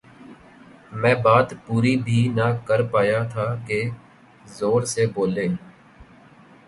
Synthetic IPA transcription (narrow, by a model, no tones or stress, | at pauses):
mɛ̃ːbaːt̪puːɾibʱiːnakəɾpaːjat̪ʰaːke | zoːɾseboːleː